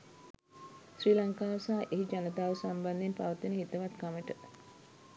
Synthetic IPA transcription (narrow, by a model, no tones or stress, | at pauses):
sriːlaŋkaːʋsaːʔeɦid͡ʒanət̪aːʋəsamband̪enpa̰ʋət̪inəɦit̪əʋat̪kaməʈə